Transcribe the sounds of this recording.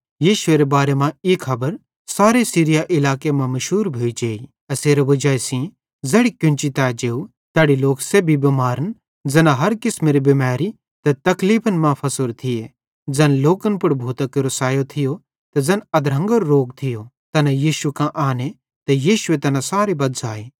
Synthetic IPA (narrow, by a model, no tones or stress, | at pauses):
jiːʃʊeɾebaːɾemãiːkʰːɐbəɾ | saːɾesiːɾɪjaʔɪlaːkemãmɐʃɦuːɾbʱoːid͡ʒeːi | ɐseːɾeʋɐd͡ʒaːesĩ | d͡zɛːɽikʊ̃nt͡ʃit̪aːd͡ʒeːu | t̪ɛːɽiloːksebʱibimaːɾən | d͡zɐnãɦɐɾkɪsmeɾibimaːɾi | t̪ɐt̪ɐkliːpʰənmãpʰɐsʊɾt̪ʰɪje | d͡zɐnloːkənpʊɽbʱuːt̪ɐkeɾosaːjot̪ʰɪjo | t̪ɐd͡zɐnɐd̪ɾə̃ŋɡəɾːoːɡt̪ʰɪjo | t̪ɐnajiːʃukãʔaːne | t̪ɐjiːʃʊet̪ɐnãsaːɾebɐd̪zaːeː